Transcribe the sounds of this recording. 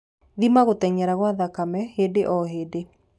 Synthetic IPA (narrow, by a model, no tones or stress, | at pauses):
ðimaɣotɛɲɛɾaɣwaðakamɛhedeʔɔɦeːde